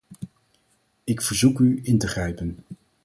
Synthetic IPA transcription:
ɪkfəɹzukyɪntəχrɛjpən

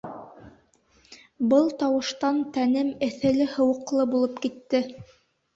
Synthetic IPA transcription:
bɤlˠt̪ɑwɤ̆ʃt̪ɑnt̪ænɘmɘ̆θɘ̆lɘhɤ̆wɤ̆qlˠɤbulˠɤpkit̪ːɘ

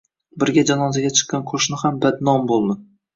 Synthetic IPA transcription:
bɪɾɡʲad͡ʒanɒzaɡʲat͡ʃʰɨ̥qːɑnqʰoʃnɪhambad̪nɒmbolˠd̪ɪ

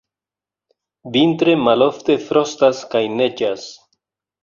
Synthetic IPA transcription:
vint̪ɾe̞malo̞ft̪e̞fɾo̞st̪askajne̞d͡ʒas

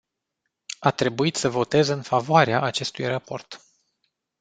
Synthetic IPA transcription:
at̪ɾe̞buit̪səvo̞t̪e̞zɨnfavoaɾeaʔat͡ʃe̞st̪ujrapo̞̰rt̪

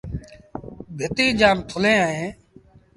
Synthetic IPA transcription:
bʱɪt̪iːd͡ʒaːnt̪ʰʊlẽːaːẽː

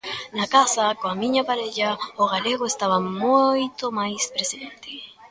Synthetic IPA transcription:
nakasakoamĩɲapaɾeʎaoɣaleɣoest̪aβamojt̪omajspɾesiðent̪e

